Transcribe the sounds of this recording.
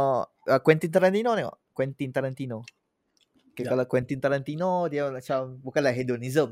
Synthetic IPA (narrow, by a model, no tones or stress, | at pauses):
akwɛnt̪int̪aɾant̪inoneŋɔ̰kwɛnt̪int̪aɾant̪ino | kealakwɛnt̪int̪aɾant̪inod̪iat͡ʃabukalaɦed̪onizəm